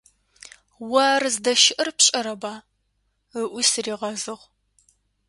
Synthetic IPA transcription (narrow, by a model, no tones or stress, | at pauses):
wɐrzdɐʃɪʔɨrpʰɕʼɐɾɐbaː | əʔʷʊsriːʁɐzɨʁ